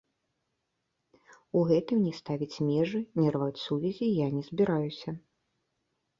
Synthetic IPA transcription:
uɣɛt̪ɨmnʲɛst̪avʲit͡sʲmʲɛʐɨnʲɛrvat͡sʲsuvʲɛzʲijanʲɛzbʲiɾajusʲɐ

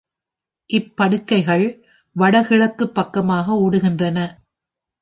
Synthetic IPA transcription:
ʔɪpːɐɽɯkːɐɪɣɐɭ | ʋɐɽɐɣɪɭɐkːɯpːɐkːɐmaːɣɐuːɽɯɣɪndrɐnɐ

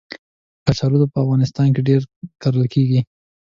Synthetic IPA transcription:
kasaɾud̪opəafɣɑnɪst̪ɑnk̬eɖeɾkaɾəlkʰeɡi

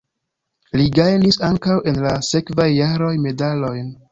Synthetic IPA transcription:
liɡajnisaŋkawʔe̞nlase̞kvajːaɾo̞jme̞dalo̞jn

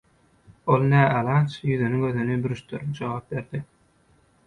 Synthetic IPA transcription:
olˠnæːʔɑlɑt͡ʃjyðynyŋɡøðynybyɾyʃt̪yɾnd͡ʒoʁɑːp̚be̞ɾd̪̥i

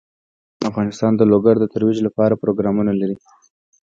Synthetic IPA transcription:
afɣɑnɪst̪ɑnd̪əloɡaɾd̪ət̪aɾwid͡ʒlapɑɾapɾoɡɾɑmunalaɾi

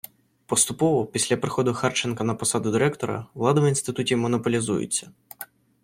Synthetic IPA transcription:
pɔst̪ʊpɔʋɔpʲisʲlʲɐpɾɪxɔd̪ʊxɑrt͡ʃenkɐnɐpɔsɑd̪ʊd̪ɪɾɛkt̪ɔɾɐ̰ʋlˠɑd̪ɐʋinst̪ɪt̪utʲiwmɔnɔpɔlʲizujʊ̰t͡sʲːɐ

